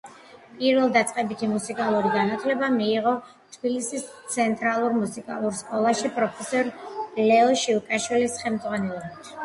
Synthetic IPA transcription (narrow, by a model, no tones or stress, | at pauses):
pʼiɾvɛlˠd̪at̪sʼqʼɛbit̪ʰimusikʼalˠuɾiɡanat̪ʰlɛbamiːʁɔ | t̪ʰb̥ilisist̪sʰɛnt̪ʼɾalˠuɾmusikʼa̰lˠuɾskʼɔlˠaʃipʼɾɔpʰɛsɔɾlɛɔʃikʼaʃwilisχɛlmd̪zʁwanɛlˠɔbit̪ʰ